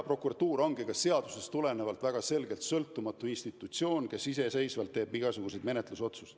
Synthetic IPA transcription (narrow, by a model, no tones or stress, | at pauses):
pro̞kuɾɑt̪ːuːɾo̞ŋɡikɑsse̞ɑd̪̥use̞st̪ule̞nevɑlt̪væɡ̥ɑse̞lɡe̞lt̪sɤ̞lt̪ːˑumɑt̪ːˑuinst̪it̪ːˑut̪sio̞ːnke̞sise̞se̞jsvɑlt̪ːe̞ːbiɡ̥ɑsuɡ̥use̞jd̪me̞net̪luso̞t̪sus